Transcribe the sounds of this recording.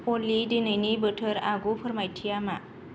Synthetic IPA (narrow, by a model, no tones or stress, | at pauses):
polidenəjnibəʈʰəɾaɡupʰəɾmajʈʰijama